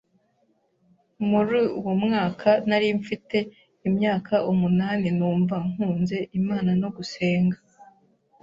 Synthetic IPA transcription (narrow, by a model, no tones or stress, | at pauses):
muɾiuwmŋaːkʰanaɾiɱfite̞ | imɲaːkaʔumunaːnenuːɱvaŋ̥uːnze̞ʔimaːnano̞ɡuse̞ːŋɡḁ